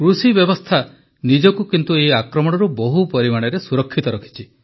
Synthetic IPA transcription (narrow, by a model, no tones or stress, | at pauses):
kɾusibjɔbɔst̪ʰa | nid͡ʒɔkukint̪ueakɾɔmɔɽ̃ɔɾubɔɦupɔɾimaɽ̃ɔɾesuɾɔkʰːit̪ɔɾɔkʰi̥t͡ʃʰi